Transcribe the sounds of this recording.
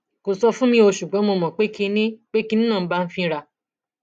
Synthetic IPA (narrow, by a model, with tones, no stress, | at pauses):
ko˨sɔ˧fũ˦mĩ˧o˧ʃu˨ɡ͡bɔ˨˦mo˧mɔ̃˨k͡pe˦ki˧nĩ˦k͡pe˦ki˧nĩ˦nãː˦˨˦ba˦˧n̩˦fĩ˧ɾa˧˨